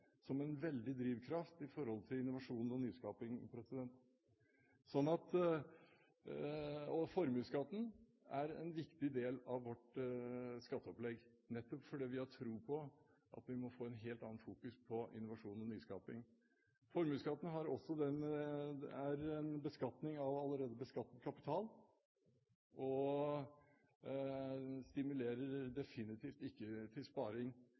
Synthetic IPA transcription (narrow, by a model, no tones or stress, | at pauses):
sɔmɛnʋɛld̪ɪd̪ɾiːʋkʰɾɑft̪ɪfɔɾhɔlt̪ʰɪlɪnːʊʋɑʂuːnɔnyːskɑːpɪŋpʰɾɛsɪd̪ɛnt̪ | sɔnːɑt̪ | ɔfɔɾmʉːskɑt̪n̩ | æɾɛ̰nʋɪkt̪ɪd̪eːlɑʋːɔʈ | skɑt̪ːəɔplɛɡ | nɛt̪ːɔpfɔɖɛːʋɪhɑʈʰɾuːpʰɔʔɑ̰t̪ʋɪmɔfoːɛnɦeːlt̪ɑnːɑnfuːkʉspʰɔʔɪ̰nːʊʋɑʂuːnɔnyːskɑ̰ːpɪŋ | fɔɾmʉːskɑt̪ːənəɦɑɾɔsːɔd̪ɛn | æɾɛnbəskɑt̪nɪŋɑʋɑlːəɾeːd̪əbəskɑt̪ːəd̪̚kʰɑpɪ̥t̪ʰɑːl | ʔɔ | st̪ɪmʉleːɾəɾɖɛfɪnɪt̪ʰiːft̪ɪkːət̪ʰɪlspɑːɾɪŋ